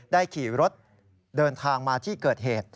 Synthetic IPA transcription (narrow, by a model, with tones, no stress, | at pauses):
daː˥˩jkʰiː˨˩ɾo˦˥t̪̚ | dɤː˧nt̪ʰaː˧ŋmaː˧t̪ʰiː˥˩kɤː˨˩t̪̚ɦeː˨˩t̪̚